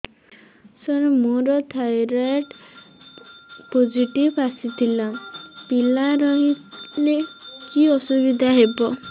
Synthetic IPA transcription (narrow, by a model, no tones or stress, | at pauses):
sɔɾmoɾɔt̪ʰajɾaʈ | pod͡ʒiʈibasit̪ʰilapilaɾɔɦilekiɔsubid̪ʱaɦebɔ